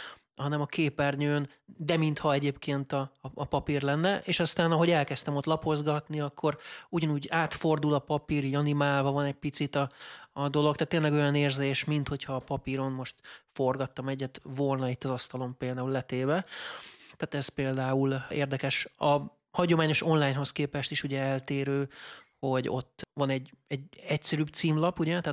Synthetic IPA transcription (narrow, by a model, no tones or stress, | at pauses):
hɒnɛmɒkʰeːpɛrɲøːn | d̪ɛmint̪hɒɛɟeːpkʰeːnt̪ɒːpɒpirlɛnːɛʔeːʃɒst̪aːnɒɦo̞ɟɛlkɛst̪ɛmo̞t̪lɒpo̞zɡɒt̪niɒkːo̞ɾuɟɒnuːɟaːt̪fo̞rd̪ulɒpɒpiɾiɟɒnimaːlvɒvɒnɛɟ̚pit̪sit̪ɒːd̪o̞lo̞k̚t̪aːt̪ːeːnlɛɡo̞jɒneːrzeːʃmint̪ho̞cʰhɒːpɒpiɾo̞nmo̞ʃt̪fo̞rɡɒt̪ːɒmɛɟːɛt̪vo̞lnɒit̪ːɒzɒst̪ɒlo̞mpeːld̪aːulːɛt̪eːbɛ | t̪aːt̪ɛspeːld̪aːuleːrd̪ɛkɛʃɒ | hɒɟo̞maːɲo̞ʃonlaːjɲɦo̞skeːpɛʃt̪iʃuɟɛɛlt̪eːɾøːho̞ɟo̞t̪ːvɒnɛɟɛɟɛcsɛɾyːbt̪siːmlɒpuɟɛt̪aː